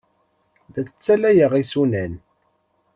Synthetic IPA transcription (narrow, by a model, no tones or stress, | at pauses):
ðæt͡sə̥t͡sːælæjəʁisunæn